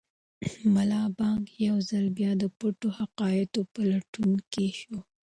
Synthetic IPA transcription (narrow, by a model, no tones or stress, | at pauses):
malɑbɑŋɡjawzalbjɑd̪əpoʈohaqɑjɪt̪opalaʈunkeʃo